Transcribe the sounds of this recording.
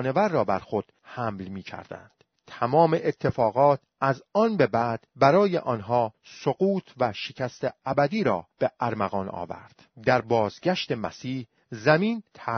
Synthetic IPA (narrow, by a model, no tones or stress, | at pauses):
ne̞væɾːɒːbæɾxod̪̥hæmlmiːcʰæ̰ɾd̪̥æ̰nd̪̥ | t̪ʰæmɒːme̞ʔet̪ʰːe̞fɒːɣɒːt̪̚ʰ | æzɒːnbe̞bæd̪̥bæɾɒːjḛʔɒːnɦɒː | soɣuːt̪ʰvæʃecʰæst̪eæbæd̪iːɾɒːb̥e̞ʔæɾmæɣɒːnʔɒ̰ːvæ̰ɾd̪̥d̪æɾbɒːzɟæʃt̪e̞mæsiːh | zæmiːnt̪ʰæ